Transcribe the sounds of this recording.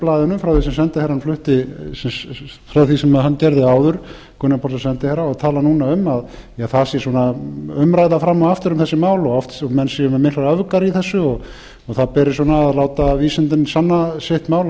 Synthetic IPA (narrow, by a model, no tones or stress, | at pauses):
plaːðɪnʏmfɾawθisɛms̬ɛnt̪ɪhɛɾhanflʏht̪ɪ | fɾawθisɛmaðɦancɛɾðɪaːwðʏɾ̥ | kʰʏnːapʰɔsasɛnt̪ɪhɛɾaɔɣt̪ʰaːlanuːnaʏmaðjaθasjɛsɔːnaʏmɾaːjðafɾamːɔɣaft̪ʏɾʏmθɛsːɪmaːwlɔɔft̪ɔmɛnsɛʏmɛmɪhk̪laɾœvkaɾiθɛsːʏɔɣ | ɔɣθaðpɛːɾɪ̥swɔːnaːðlaːwt̪aviːsɪnt̪ɪnsanːasɪht̪maːwl